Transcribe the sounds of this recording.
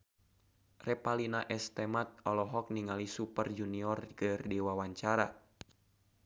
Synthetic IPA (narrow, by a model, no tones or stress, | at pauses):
rɛpalinaʔɛst̪ɛmat̪̚ɔlɔɦɔk̚niŋalisupərd͡ʒuniɔrkɨrdɛwawaɲt͡ʃaɾa